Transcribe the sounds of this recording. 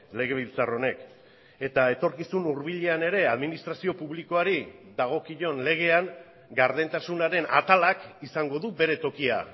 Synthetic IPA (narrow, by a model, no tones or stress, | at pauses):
le̞ɣ̞e̞β̞ilt͡saro̞ne̞k | e̞t̪ae̞t̪o̞ɾkisunuɾβiʎe̞ane̞ɾe̞aðminist̪ɾasio̞puβliko̞aɾiðaɣ̞o̞kiʎo̞nle̞ɣ̞e̞aŋ | ɡaɾðent̪asunaɾe̞na̰t̪alakisaŋɡo̞ðube̞ɾe̞t̪o̞kia̰